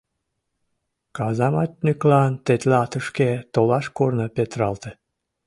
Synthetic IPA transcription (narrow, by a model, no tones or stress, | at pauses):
kɑzɑmɑt̪nʲyklɑnt̪et̪lɑt̪əʃket̪olɑʃkornəpet̪ɾɑlt̪e